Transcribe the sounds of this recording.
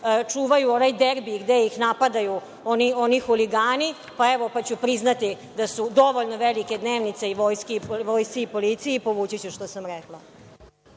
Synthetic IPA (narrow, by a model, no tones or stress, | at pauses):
t͡ʂuːʋajuonajd̪eɾbiɡd̪ejixnapad̪aju | onio̞nixuliɡaːni | paeʋo̞pat͡ɕupɾiznat̪i | d̪asud̪o̞ʋoʎnoʋelike̞d̪neːʋnit̪seiʋo̞jskeʋojsiipolit̪sijipo̞ʋut͡ɕit͡ɕuʃt̪osamɾeklˠa